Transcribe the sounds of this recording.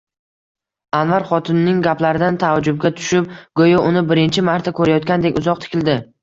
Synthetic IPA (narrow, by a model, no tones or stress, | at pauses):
anvaɾχɒt̪ʰɪnːɪŋɡʲaplaɾɪd̪ant̪ʰavd͡ʒʊb̚ɡʲat̪ʰʊ̥ʃɪp̚ɡ̥ojɒʔʊnɪbɪɾɪnt͡ʃʰɪmaɾt̪ʰakʰɵɾajɒt̪kʲand̪e̞kʲʊzɒq̚t̪ʰɪ̥kʲɪld̪ɪ